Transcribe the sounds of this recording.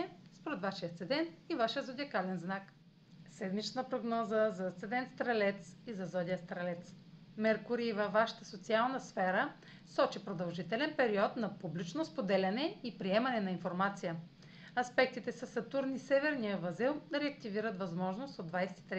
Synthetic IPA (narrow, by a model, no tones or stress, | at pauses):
ɛspoɾɛt̪vaʃijət̪sɛd̪ɛnt̪ivaʃijəzod̪ʲiəkalɛnznak | sɛd̪mit͡ʃnəpɾoɡnɔzəzɐt̪sɛd̪ɛnt̪st̪ɾɐlɛt̪sizɐzɔd̪ijəst̪ɾɐlɛt̪s | mɛɾkʊɾivɐvːaʃə̥t̪əsot̪sialˠnəsfɛɾə | sɔt͡ʃipɾod̪ɐlˠʒit̪ɛlɛnpɛɾiɔt̪nɐpublit͡ʃnospod̪ɛlʲɐnɛipɾiɛmɐnɛnɐinfoɾmat̪sijə | ɐspɛk̚t̪it̪ɛsɐsɐt̪uɾnisɛvɛɾnijəvɐzilˠɾɛɐkt̪iviɾət̪vɐzmɔʒnost̪od̪vajsɛ̥t̪i̥t̪ɾɛ